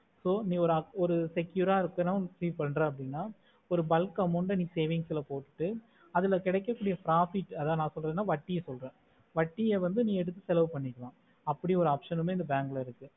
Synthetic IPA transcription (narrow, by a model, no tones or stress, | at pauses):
soːnĩːɔɾɯɐɔɾɯsɛkːjuːɾaːɪɾɯkːɐɾãːsiːpɐɳːɾẽːɐp̬ːɐɽɪnːaː | ɔɾɯbɐlkɐmːɔɳɖɯniːseːʋɪŋɡsɪlɐpoːʈːɯ̥ʈːɯ | ɐðɪlɐkɪɽɛkːɐkːuːɽɪjɐfɾaːfɪʈːɐðaːnãːsɔlɾẽːnːaːʋɐʈːɪjɐsɔlɾẽː | ʋɐʈːɪjeʋɐnd̪ɯnĩːɛɽɯt̪̬ːɯsɛlɐʋɯpɐɳːɪkːɐlãː | ɐpːɐɽiɔɾɯaːpʂɐnɯmeːɪnd̪ɐbaːŋɡɐlɐɪɾɯkːɯ